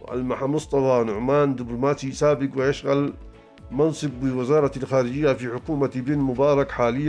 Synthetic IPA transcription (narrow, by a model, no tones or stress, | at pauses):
ʔa̰lmaħamʊsˤt̪ˤɑfɑnʊʕmaːnd̪ɪblʊmaːt̪isaːbɪkwɪjaʃɣal | mɑnsˤɨb̚ːɪwɪzɑːɾˤɑlxaːɾɪd͡ʒɪjːafiħʊkuːmat̪ibɪnmʊbɑːɾˤɑkħaːlɪjːa